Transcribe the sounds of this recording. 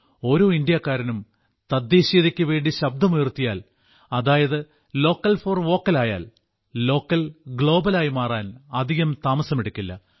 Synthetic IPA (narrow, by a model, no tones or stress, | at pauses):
o̞ːɾoːind̪ijɐkːaːɾɐnum | t̪ɐd̪ːeːɕiːðikʲːɨʋe̞ːɳɖiɕɐb̚d̪ɐmujrt̪ːija̰ːl | ɐðaːjɐðɨ | lo̞ːkːɐlfoːrʋo̞ːkːɐlaːja̰ːl | lo̞ːkːɐlɡɭo̞ːbɐlaːjimaːraːnɐd̪ʱiɣɐmt̪aːmɐsɐmeɽukʲːilːɐ̰